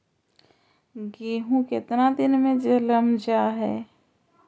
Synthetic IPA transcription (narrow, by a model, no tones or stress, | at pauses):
ɡeːɦũkɪt̪nad̪ɪnmẽd͡ʒələmd͡ʒaɦɛː